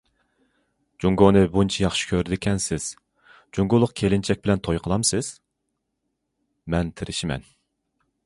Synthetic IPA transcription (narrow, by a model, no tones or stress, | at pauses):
d͡ʒuŋɡonɨbunt͡ʃʰɛjɑχʃɪ̥kʲʰøɾd̪ɪkʲʰɛnsɪz̥ | d͡ʒuŋɡʊlˠːʊqkʲʰelɪnt͡ʃʰɛk̚ʲbɪlɛnt̪ʰojqʰəlˠɑmsɨz̥ | mɛnt̪ʰɪɾɪʃimɛ̰n